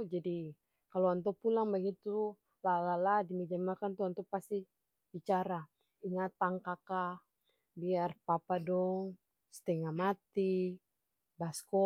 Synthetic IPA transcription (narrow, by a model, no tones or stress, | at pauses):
d͡ʒadi | kaloant̪̬ɔpulaŋbaɡit̪u | lalaladimid͡ʒamakant̪uant̪ɔpast̪i | bit͡ʃaɾa | iŋat̪ːaŋkaka | biarpapadɔŋ | st̪ɛŋamat̪i | baskɔ